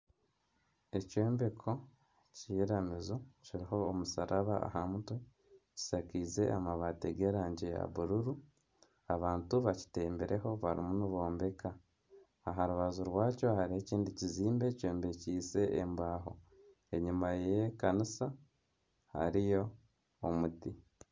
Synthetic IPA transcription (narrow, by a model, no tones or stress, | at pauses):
e̞cwe̞ːmbe̞kʰo̞ | ciɾamizuciɾiho̞ːmusaɾaβaa̰hamutwe | ci̥sakiːze̞̰ʔamaβateɡe̞ɾaːɲɟeja̰βuɾuɾu | aβaːntuβaci̥te̞ːmbeɾe̞ɦo̞βaɾḭmunuβo̞ːmbe̞kaː | ɦaɾuβazuɾwaːco̞haɾie̞ciːndiciziːmbe̞cweːmbe̞ciːse̞ʔembaːɦo̞̰ | e̞ɲimajekanisa | ha̰ɾijo̞ː | muti